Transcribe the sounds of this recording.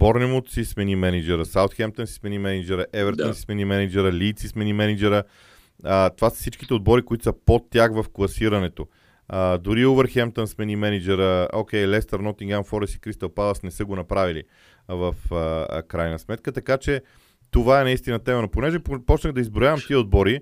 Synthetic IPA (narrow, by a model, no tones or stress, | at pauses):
bɔɾnɛmot̪sismɛnimɛnid͡ʒɛɾəsawt̪xɛmt̪ənsi̥smɛnimɛnid͡ʒɛɾəʔɛvɛɾt̪onsi̥smɛnimɛnid͡ʒɛɾəlʲiːt̪sismɛnimɛnid͡ʒɛɾə | ət̪ovasə̥fsit͡ʃki̥t̪ɛod̪̚bɔɾikoit̪ʊ̥səpot̪ːjaxvɐfklˠɐsiɾɐnɛt̪o | əd̪ʊɾiovəɾxɛmt̪ənsmɛnimɛnid͡ʒɛɾəok̟ʲɛjlɛst̪əɾnɔt̪iŋɡanfɔɾɛsi̥kɾist̪ɐlˠpalˠəsnɛsəɡonɐpɾavilḭ | vəfə̰kɾajnəsmɛt̪kət̪ɐkat͡ʃɛ | t̪ovaɛnɐist̪inət̪ɛmənɐponɛʒɛppɔt͡ʃnəɣd̪ɐizbɾojavɐmt̪iɛod̪̚bɔɾi